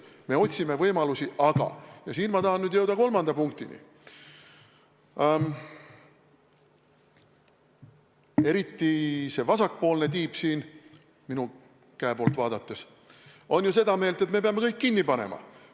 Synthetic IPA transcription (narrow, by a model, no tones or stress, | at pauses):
me̞o̞t̪ʲsime̞vɤjmɑlusiʔɑɡ̥ɑ̰jɑsiːnmɑt̪ɑɦɑnnyd̪je̞wd̪̥ɑko̞lmɑnd̪̥ɑpuŋk̚t̪inḭ | e̞ɾit̪ːise̞vɑsɑkpo̞ːlne̞t̪iːpsiːn | minu | kæepo̞ːlt̪vɑːd̪̥ɑt̪ːe̞s | o̞njuse̞d̪ɑme̞ːlt̪e̞t̪me̞peɑme̞kɤjkːinːipɑnḛmɑ̰